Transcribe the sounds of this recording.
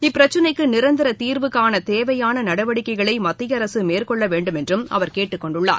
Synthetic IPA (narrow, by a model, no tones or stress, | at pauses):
ɪpːɪɾɐt͡ʃːɐnɐɪkːɯnɪɾɐnd̪ɪɾɐt̪iːɾʋɯkːaːnɐt̪eːʋɐjaːnɐnɐɽɐʋɐɽɪkːɐɪɣɐɭɐɪmɐt̪ːɪɣɐɾɐsɯmeːrkɔɭːɐʋeːɳɖɯmɛndrɯmɐ̰ʋɐɾkeːʈːɯkːɔɳɖʊɭːa̰ːɾ